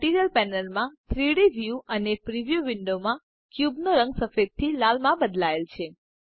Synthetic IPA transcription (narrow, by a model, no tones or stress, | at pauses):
ʈiɾijəlpɛnəlmãt̪ʰɾiɽiʋjuənepɾiʋjuʋɪɳɖomã | kjubnoɾəŋɡsəfed̪̚t̪ʰːilalmãbəd̪laelt͡ʃʰe